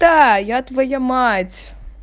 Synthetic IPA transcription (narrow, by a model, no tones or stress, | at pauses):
d̪ajat̪vɐjamatʲ